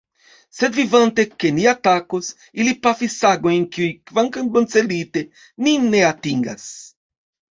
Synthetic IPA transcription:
sed̪vivɐ̃nt̪ekeniat̪akos | ilipafisaɡoẽŋkjuikvãŋkɐŋɡonselit̪e | ninːeat̪ĩŋɡɐ̰s

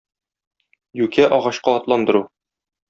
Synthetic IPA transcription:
jʉkæʔɒʁɑɕqɑːt̪lˠɑnd̪ɤ̆ɾu

